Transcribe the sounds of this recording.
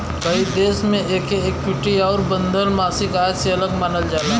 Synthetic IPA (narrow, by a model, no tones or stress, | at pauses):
bʱaid̪eːsmẽʔeːkeeːk̚pʊʈːiaːɾbə̃nd̪əlmaːsiɡaːəseɐləɡmaːnəld͡ʒaːna